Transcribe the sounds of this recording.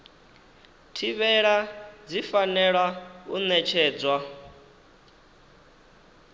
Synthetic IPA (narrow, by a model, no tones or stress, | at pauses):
tʰiβɛɺad͡zifanɛɺwaunɛt͡ʃʰɛːd͡zwa